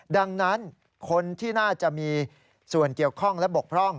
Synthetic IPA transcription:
da˧ŋna˦˥n | kʰo˧nt̪ʰiː˥˩naː˥˩t͡ɕa˨˩ʔmiː˧ | su˨˩ənki˨˩əwkʰɔ˥˩ŋlɛ˦˥bo˨˩k̚pʰɾɔ˥˩ŋ

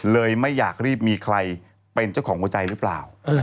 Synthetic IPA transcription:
lɤː˧jma˥˩jːaː˨˩k̚ɾiː˥˩p̚miː˧kʰɾa˧j | pe˧nt͡ɕa˥˩wkʰɔː˩˦ŋu˧˦ət͡ɕa˧jɾɯː˦˥plaː˨˩w

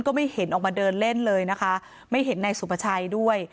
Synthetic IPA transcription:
nkɔː˥˩ma˥˩jhe˩˦nʔɔː˨˩k̚maː˧dɤː˧nle˥˩nlɤː˧jna˦˥kʰa˦˥ | ma˥˩jɦe˩˦nːa˧jsu˨˩pʰa˧t͡ɕʰa˧jdu˥˩əj

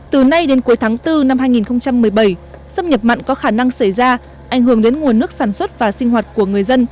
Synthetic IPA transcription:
t̪ɨ˨˩na˧jɗe˨˦nku˨˦jt̪ʰaː˨˦ŋt̪ɨ˧na˧mhɦaː˧jŋi˨˩nxə˧wŋ͡mt͡ɕa˧mːɨ˨˩əjɓə˧˩jsə˧mɲə˨˩p̚ma̰˧˨ŋ̟kɔ˨˦xaː˧˩na˧ŋsa˧˩jzaː˧ | ʔa˧˩jŋ̟hɨ˧˩əŋɗe˨˦nŋu˨˩ənːɨ˦˥ək̚saː˧˩nswə˦˥t̚vaː˨˩sï˧ŋ̟ɦwaː˨˩t̚ku˧˩əŋɨ˨˩əjzə˧n

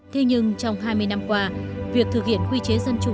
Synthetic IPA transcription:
t̪ʰe˧ɲɨ˧ŋt͡ɕɔ˧wŋ͡mɦaː˧jmɨ˧əjna˧mkwaː˧vi˨˩ək̚t̪ʰɨ˨˩k̚hḭ˧˨ənhwi˧t͡ɕe˨˦zə˧nt͡ɕʊ̰˨˧˩

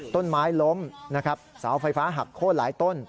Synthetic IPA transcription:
t̪o˥˩nmaː˦˥jlo˦˥mna˦˥kʰa˦˥p̚sa̰ː˩˦wfa˧jfaː˦˥ɦa˨˩kʰːoː˥˩t̪̚laː˩˦jt̪o˥˩n

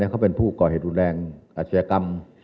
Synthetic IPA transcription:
ɛː˦˧˥ka˧˥˩wpe˧˨npʰuː˥˩kɔː˨˩he˧˩˦t̪̚ɾu˧nlɛː˧ŋʔaː˧˩t̪sa˧ja˧ka˧m

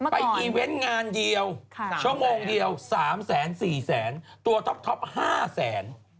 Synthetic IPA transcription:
pa˧jʔiː˨˩we˦˥nŋaː˧ndi˧əwt͡ɕʰu˥˩əmoː˧ŋdi˧əwsaː˩˦msɛː˩˦nsiː˨˩sɛː˩˦n | t̪u˧ɐt̪ʰɔ˦˥p̚t̪ʰɔ˦˥p̚haː˥˩sɛː˩˦n

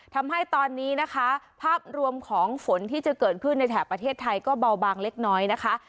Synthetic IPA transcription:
t̪ʰa˧mɦa˥˩jt̪ɔː˧nːiː˦˥na˦˥kʰa˦˥pʰaː˥˩p̚ɾu˧əmkʰɔː˩˦ŋfo˩˦nt̪ʰiː˥˩t͡ɕa˨˩kɤː˨˩t̪̚kʰɯ˥˩nːa˧jt̪ʰɛː˨˩pɾa˧t̪ʰeː˥˩t̪ʰːa˧jkɔː˥˩ba˧wbaː˧ŋle˦˥k̚nɔː˦˥jna˦˥kʰa˦˥ʔ

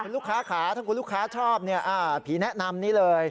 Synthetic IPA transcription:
kʰu˧nluː˥˩kʰaː˦˥kʰaː˩˦t̪ʰa˥˩ŋku˧nlu˥˩kʰaː˦˥t͡ɕʰɔː˥˩p̚ni˥˩ɐʔaː˧˩pʰiː˨˩˦nɛ˦˥na˧mniː˦˥lɤː˧j

